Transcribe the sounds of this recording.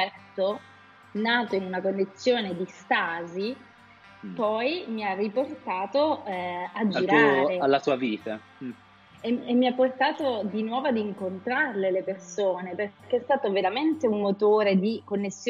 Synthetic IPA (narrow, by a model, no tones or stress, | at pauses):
ɛrt̪o | naːt̪oinunakonːit̪sːjoːned̪ist̪aːzi | pɔjmiarːiport̪aːt̪o | ad͡ʒːiɾaːɾealːasuːaviːt̪a | eemːiapːort̪aːt̪od̪inwɔːvoad̪iŋkont̪ɾarlelepersoːneperkːeɛst̪aːt̪oveɾament̪eunmot̪oːɾed̪ikonːesːj